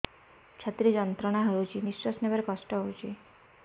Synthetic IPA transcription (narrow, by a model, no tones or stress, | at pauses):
t͡ʃʰat̪ɾid͡ʒɔnt̪ɾɔñaɦəut͡ʃʰiniswɔsnebəɾkɔsʈɔɦowt͡ʃʰi